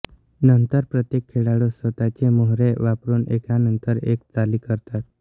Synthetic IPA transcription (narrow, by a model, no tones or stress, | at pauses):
nənt̪əɾpɾət̪jekʰːeɽaɽosʋət̪at͡ɕemoɦɾeʋapɾuːnʔekanənt̪əɾḛkt͡saliːkəɾt̪at̪̚